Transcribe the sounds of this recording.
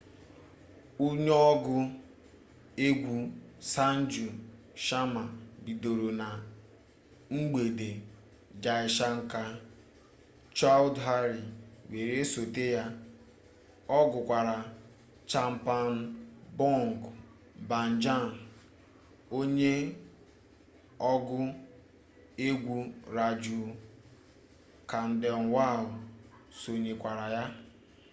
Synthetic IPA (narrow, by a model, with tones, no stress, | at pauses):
u˦ɲɔɔ˦ɡʊ˦ | e˦ɡʷu˦sa˦n̩˦d͡ʒu˨ | ʃa˦ma˨bi˨do˨ɾo˨na˨ | ŋ͡m̩˦ɡ͡be˨de˨ | d͡ʒa˨ɪ˨ʃa˦ŋ̩˦ka˦ | t͡ʃa˦ldɦa˦ɾi˨we˨ɾe˦so˨te˦ja˦ | ɔ˦ɡʊ˨kʷa˨ɾa˨ | t͡ʃa˦m̩˦pa˨n˦bɔ˦ŋ˨ɡ | ba˨n̩˨d͡ʒa˦˨n˨ | o˦ɲe˦ | ɔ˦ɡʊ˦ | e˦ɡʷu˦ɾa˨d͡ʒu˨ | ka˨n̩˦dɪ˨ɔ˨ŋ̩˨wa˦˨lʊ˨ | so˨ɲe˨kʷa˨ɾa˨ja˦